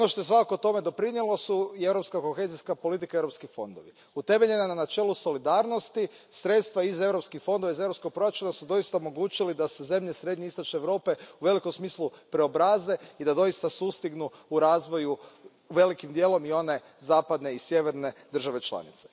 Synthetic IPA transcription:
onoʃt̪o̞jesʋakakoot̪o̞me̞d̪o̞pɾinjelo̞suie̞ʋɾo̞pskako̞xe̞ːziskapo̞lit̪̬ikae̞vɾo̞pskixfo̞̰nd̪o̞̰ʋi | ut̪e̞me̞ʎe̞nananat͡ʃeːlˠuso̞lid̪aːɾno̞st̪i | sɾe̞t̪st̪ʋaize̞ʋɾopskixfo̞nd̪oʋaize̞ʋɾopsko̞ɡ̚pɾo̞jɾat͡ʃunasud̪o̞ist̪aomo̞ɡuːt͡ʃilid̪aseze̞mʎesɾe̞d̪ɲiist̪o̞t͡ʃneʋɾo̞ːpe̞uʋe̞liko̞msmiːslˠupɾeobɾaːze̞id̪ad̪o̞ist̪asust̪iɡnuuɾaːzʋo̞ju | ʋe̞likimd̪je̞ːlˠo̞mio̞ne̞ | zaːpad̪ne̞isje̞ʋeɾne̞d̪ɾr̩ʒaʋe̞t͡ʃlˠa̰nḭt̪se

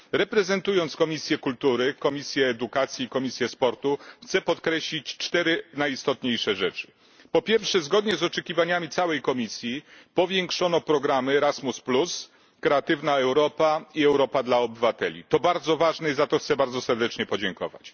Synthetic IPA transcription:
ɾɛpɾɛzɛnt̪ujɔnt̪skɔmʲisʲjɛkult̪uɾɘkɔmʲisʲjɛːd̪ukat̪sʲjiːkɔmʲisʲjɛspɔɾt̪uxt̪sɛpɔt̪kɾɛɕlʲit͡ɕt͡ʂt̪ɛɾɘnajist̪ɔt̪ɲejʂɛʐɛt͡ʂɘ̥ | pɔpʲjɛɾfʂɛzɡɔd̪ɲɛzɔt͡ʂɛkʲivaɲamʲit̪sawɛjkɔmʲisʲjipɔvʲjɛŋkʂɔnɔpɾɔɡɾamɘɾasmusplus | kɾɛat̪ɘvnaɛwɾɔpaiɛwɾɔpad̪laɔbɘvat̪ɛlʲḭt̪ɔbaɾd̪zɔvaʐnɛizat̪ɔxt̪sɛbaɾd̪zɔsɛɾd̪ɛt͡ʂɲɛpɔd͡ʑɛŋkɔ̰va̰t͡ɕ

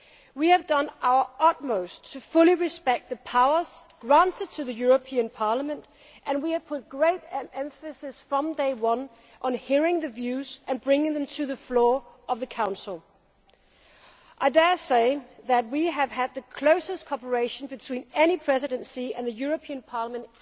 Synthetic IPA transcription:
wiɨvdʌ̃nʔaʊə˞ʔʌt̚moʊstʰɨfʊlˠiɹɨspɛk̚t̪̚ðɨpʰaʊə˞z̥ɡ̥ɹæ̃ntʰɨd̚tʰɨðɨjʊɹɨpʰiɨ̃npʰɑɹləmə̃nt | ʔɨ̃nwiɨv̥pʰʊt̚ɡ̥ɹeɪɾɛ̃ɱfɨsɪz̥fɹʌ̃mdeɪwʌ̃n | ʔə̃nhiɹɪ̃ŋðɨvjʉzɨ̃nbɹɪ̃ŋɪ̃ŋðɨ̃mtʰɨðɨflɔɹ | ʌvðɨkʰãʊ̃nsl̩ˠ | ʔaɪdɛ˞seɪðɨt̚wiɨv̥ɨd̪̚ðɨkʰl̥oʊsɨstkʰɔpə˞eɪʃn̩bɨtʰw̥ĩnɛñipʰɹ̥ɛzɨɾɨ̃nsiɨ̰̃nðɨjʊɹɨpʰiɨ̃npʰɑɹləmə̃nt

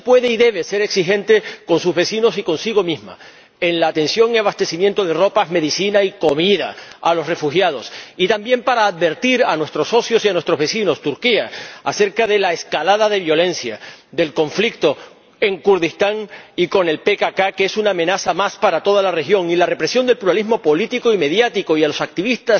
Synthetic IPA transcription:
pwe̞ðeiðe̞β̞e̞se̞ɾe̞ksixẽ̞nt̪e̞ko̞nsuzβe̞sino̞siko̞nsiɣ̞o̞mizma̰ | enlaːt̪ẽ̞nsjo̞ŋiaβast̪e̞simjẽnt̪o̞ðe̞ro̞pazme̞ðisinaiko̞miðaalo̞sre̞fuxjað̞o̞sit̪ambje̞mpaɾaːð̚βe̞ɾt̪iɾanwe̞st̪ɾo̞so̞sjo̞sianwe̞st̪ɾo̞zβe̞sino̞st̪uɾkiaase̞ɾkaðe̞laeskalaðaðe̞βjo̞lẽ̞nsjad̪e̞lkõ̞ɱflik̚t̪o̞ | e̞ŋkuɾðist̪aŋiko̞ne̞lpe̞kakakeesunaːmẽ̞nasamaspaɾat̪o̞ð̞alare̞xjo̞ŋilare̞pɾe̞sjo̞nd̪elpluɾalizmo̞po̞lit̪ikoime̞ðjat̪iko̞ialo̞sak̚t̪iβist̪as

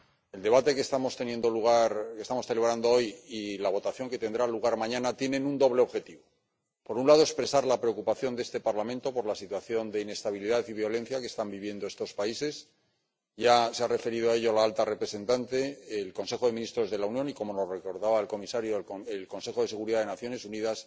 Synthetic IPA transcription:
e̞ld̪e̞β̞at̪e̞kest̪amo̞st̪e̞nje̞nd̪o̞luɣaɾke̞st̪amo̞sθele̞β̞ɾand̪o̞o̞jilaβ̞o̞t̪aθjo̞ŋke̞t̪e̞nd̪ɾaluɣ̞aɾmãɲãnat̪jene̞nund̪o̞β̞le̞o̞βxe̞t̪iβo̞ | po̞ɾunlað̞o̞ekspɾe̞saɾlapɾe̞o̞kupaθjo̞nd̪ee̞st̪e̞paɾlamẽnt̪o̞po̞ɾlasit̪waθjo̞nd̪e̞ine̞st̪aβiliðaθiβjo̞le̞n̟θjakest̪ambiβje̞nd̪oe̞st̪o̞spaise̞s | ʝaseare̞fe̞ɾiðoae̞ʎolaalt̪are̞pɾe̞se̞nt̪ant̪e̞ːlko̞nse̞xo̞ðe̞mĩnist̪ɾo̞zðelaunjõ̞niko̞mo̞no̞zre̞ko̞ɾðaβaelko̞misaɾjoelko̞nse̞xoðe̞se̞ɣuɾiðaðenaθjo̞ne̞suniðas

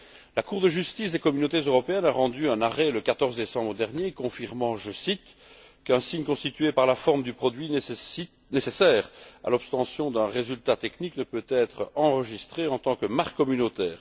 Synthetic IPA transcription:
lakuʁd̪əʒyst̪isd̪ekɔmynot̪ezøʁɔpeɛnaʁɑ̃d̪yɛ̃naʁɛləkat̪ɔʁzd̪esɑ̃bʁəd̪ɛʁnjekɔ̃fiʁmɑ̃ʒəsit̪ | kɛ̃siɲkɔ̃st̪it̪ɥepaʁlafɔʁmd̪ypχɔd̪ɥi | nesesɛːʁa̰lɔpst̪ɑ̃sjɔ̃d̪ɛ̃ʁezylt̪at̪ekniknəpøt̪ɛt̪χɑ̃ʁəʒist̪χeɑ̃t̪ɑ̃kəmaʁkːɔmynot̪ɛːʁ

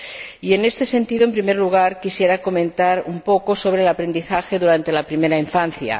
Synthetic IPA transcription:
ienest̪e̞se̞nt̪iðoempɾimeɾluɣ̞aɾkisjeɾako̞mẽ̞nt̪aɾumpokoso̞β̞ɾeːlapɾe̞nd̪iθaxeðuɾant̪e̞lapɾimeɾaiɱfan̟θja̰

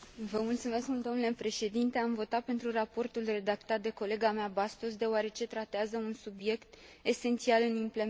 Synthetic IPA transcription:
vəmult̪sume̞skd̪o̞mnule̞pɾe̞ʃe̞d̪int̪e̞amvo̞t̪at̪̚pe̞nt̪ɾurapo̞rt̪ulre̞d̪akt̪at̪̚d̪e̞ko̞le̞ɡameabast̪os̬d̪e̞oaɾe̞t͡ʃe̞t̪ɾat̪eazəunsubje̞kt̪e̞se̞nt̪sialɨnimple̞

